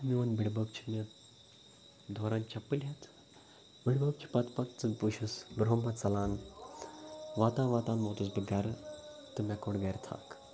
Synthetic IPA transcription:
miɐnbiɽbɐkt͡ʃʰi̥me | d̪ʱoːɾaːnt͡ʃʰɐpːɨlʲɦet̪ʰ | biɽbɐkt͡ʃʰi̥pɐt̪pɐt̪ːɨpuʃisbɾoːmbɐt̪t͡sɐlaːn | ʋaːt̪ãːnʋaːt̪aːnmoːt̪ɨs̬bɨɡɐɾt̪ɨmʲekoɽɡɐɾʲt̪ʰa̰ːk

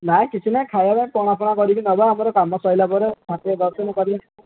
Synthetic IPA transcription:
naj̃kit͡ʃʰinajkʰajabaj̃pɔɽ̃apʰɔɽ̃akɔɾibinɔbɔamɔɾɔkamɔsɔjlabɔɾetʰat̪iɔd̪ɔɾsɔnɔkɔɾibin

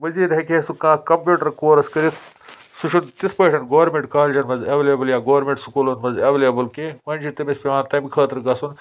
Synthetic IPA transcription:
mɐziːd̪ɦɐkʰeːsukãːkɐmpʲjuːʈɐɾkoːɾɐskɐɾit̪ʰ | suʃʰunt̪it̪ʰpɐːʈʰɐɳʈɡoʋɐɾmẽɳʈkaːld͡ʒʰɐnmɐzeʋeleːbɐljaːɡoːʋɐɾmẽɳʈsukulonmɐzeʋeːleːbɐlkemɐnd͡ʒʰit̪ɐmispiʋaːnt̪ɐmikʰɐːt̪ɐɾɡɐsun

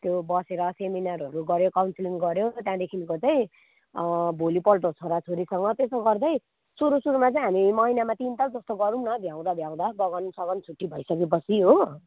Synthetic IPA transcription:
t̪jobʌseɾʌseminaɾʌɾuɡʌɾjokawnsliŋɡʌɾjot̪jãd̪ekʰinkot͡saĩ | bʱolipʌlʈot͡sʰoɾat͡sʰoɾisʌŋɡʌt̪esoɡʌrd̪ʌj | suɾusuɾumat͡saĩɦamimʌinamãt̪int̪ad͡zʌst̪oɡʌɾumnʌb̪ʱjãw̃d̪ab̪ʱjãw̃d̪aɡʌɡʌnusʌɡʌnt͡sʰuʈːibʱʌjsʌkep̬ʌsʰiɦo

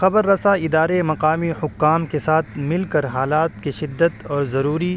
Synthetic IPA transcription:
xɐbəɾːɐsaɪd̪aːɾemɐqaːmihʊkːaːmkesaːt̪ʰmɪlkɐɾɦaːlaːt̪̚kiʃɪd̪ːət̪ɔːɾzɐɾuːɾi

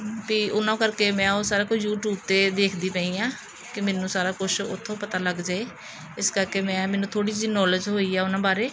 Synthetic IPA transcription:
piːʔʊnãːkəɾkeːmɛ̃ːoːsaːɾaːkʊt͡ʃʰjuːʈjuːb̚t̪eːd̪eːkʰd̪iːpə̃ĩːãː | kɪmeːnũːsaːɾaːkʊt͡ʃʰʊ̰t̪ʰːõːpət̪aːləɡd͡ʒaːeː | ɪskəɾkeːmɛ̃ːmɛ̃ːnũːt̪ʰoːɽiːd͡ʒiːnɔːləd͡ʒɦoːiːaːʊnãːbaːɾeː

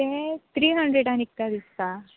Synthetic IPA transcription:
et̪ɾiːɦɐɳɖɾeɽanik̚t̪ad̪ist̪a

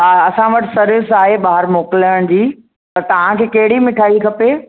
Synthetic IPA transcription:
aɐsãʋɐʈɪ̥̆sɐɾʋɪsaːɦeɓaːɦɪɾmoːkɪləɽ̃d͡ʑiː | pɐɾt̪ɐʋ̤ãkʰeːkɐɦɪɽimɪʈʰaːikʰɐpeː

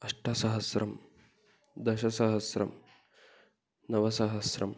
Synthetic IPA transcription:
ɐʂʈʰɐsɐɦɐsɾʔɐm | d̪ɐʃɐsɐɦɐsɾɐ̰m | nɐʋɐsɐɦɐsɾɐ̰m

